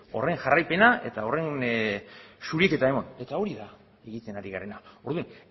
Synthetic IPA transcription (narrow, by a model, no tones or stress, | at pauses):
o̞̰re̞ŋʝarajpe̞nae̞̰t̪ao̞re̞n | suɾieke̞t̪ae̞mo̞ne̞t̪ao̞ɾiða | e̞ɣit̪e̞naɾiɣaɾe̞nao̞ɾðun